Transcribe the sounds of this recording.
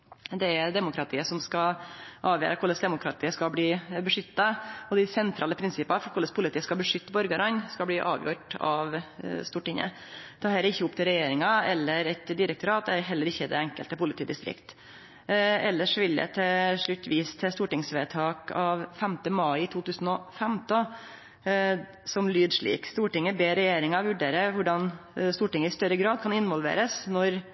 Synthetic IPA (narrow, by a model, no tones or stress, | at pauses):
d̪ɛæɾd̪ɛmʊkʰɾɑt̪ʰiːəsɔmskɑʔɑːʋjø̰ːɾəkʰʊləsd̪ɛmʊkʰɾɑt̪ʰiːəskɑbliːbəʂʏt̪ːɑɔd̪æɪsɛnt̪ʰɾɑːləpʰɾɪnsɪpɑnfɔɾkʰʊlːəspʰʊlɪt̪iːəskɑbəʂʏt̪ːbɔɾɡəɾɑnskɑbliːʔɑ̰ːʋjṵːʈɑ̰ʋst̪uːʈɪŋə̰t̪ʰɑːhɛləɪçːəʊp̚t̪ʰɪlɾɛjeːɾɪŋɑɛlːəɾɛt̪d̪ɪɾɛk̚t̪ʊɾɑːt̪̚d̪ɛɛɾɦɛlːəɾɪçːəd̪ɛ̰æŋkəlt̪əpʊlɪt̪iːd̪ɪst̪ɾɪ̰kt̪ | ɛlːəʂʋɪljə̰t̪ʰɪʂɭʉt̪ːʋiːst̪ʰɪst̪uːʈɪŋsʋeːt̪ʰɑːkɑʋfɛmt̪əmɑɪɪt̪ʰuːt̪ʰʉːsn̩ɔfɛmt̪ɔ | sɔmlyːd̪ʂɭḭːkst̪uːʈɪŋːəbeːɾɛjeːɾɪŋɑʋʉɖeːɾəʋʊɖɑnst̪uːʈɪŋːəɪst̪œɾəɡɾɑːd̪̚kʰɑnɪnʋɔlʋḛːɾəsnɔɾ